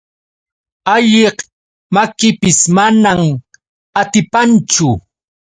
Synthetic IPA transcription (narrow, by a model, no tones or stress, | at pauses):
aʎeh | makɪpɪsmanam | at̪ɪpant͡ʃʊ